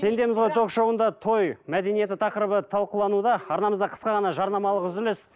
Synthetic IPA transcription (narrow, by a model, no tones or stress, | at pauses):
t̪ʰe̞nd̪e̞mɪzʁojt̪ʰo̞qʃowənd̪ɑt̪ʰo̞jmæd̪e̞nije̞t̪ɪt̪ʰɑqəɾəbət̪ʰɑlˠqəlˠɑnud̪ɑɑɾnɑməzd̪ɑqʰə̥sqɑʁɑnɑʒɑɾnɑmɑlˠəqʏzɪlɪs